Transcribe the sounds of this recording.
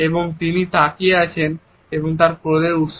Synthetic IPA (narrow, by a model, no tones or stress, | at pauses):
eboŋt̪init̪akieat͡ɕʰen | eboŋt̪̬aɾpɾod̪eɾut̪ʃ